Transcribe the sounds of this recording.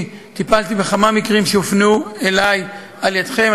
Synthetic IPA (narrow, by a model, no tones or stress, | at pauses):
t̪ipalt̪ibeχamamikʁimʃeofnuelaj | aljad̪χe̞m